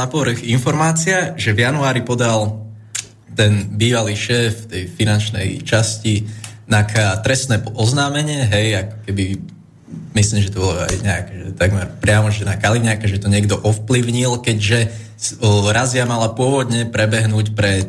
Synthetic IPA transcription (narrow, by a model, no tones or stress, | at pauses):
apɔʋɾxinfɔɾmaːt͡siaʒɛvjanuaːɾipɔd̪al | t̪ɛnbiːʋaliːʃɛːft̪ɛjfinant͡ʃnɛ̰jt͡ʃascinakat̪ɾɛsnɛːɔznaːmɛɲɪɛɦɛjakɔ̥kɛbi | misliːmʒɛt̪ɔbɔlɔa̰jɲɛakɛʒɛt̪aɡmɛɾpɾɪamɔʒɛnakaliɲakaʒɛt̪ɔɲɪɛɡd̪ɔʔɔfpliʊɲilkɛɟʒɛ | ɾaziamalapʊɔʋɔd̪ɲɛpɾɛbɛɦnuːcpɾɛ